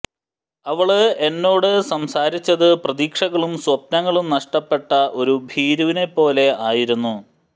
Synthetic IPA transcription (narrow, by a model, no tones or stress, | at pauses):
ɐʋɐɭɨe̞nːo̞ːɽɨsɐmsaːɾit͡ɕːɐðɨprɐðiːkʂɐɣɐɭumswɐp̚nɐŋːɐɭumnɐʂʈɐpːe̞ʈːɐʔo̞ɾubʱiːɾuʋine̞pːo̞ːle̞aːjiɾunːu